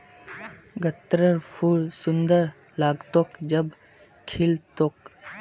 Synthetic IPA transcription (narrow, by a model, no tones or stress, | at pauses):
ɡət̪ɾəɾpʰuːɽsʊ̃nd̪əɾ | laːɡt̪okd͡ʒɐb | kʰɪlt̪ok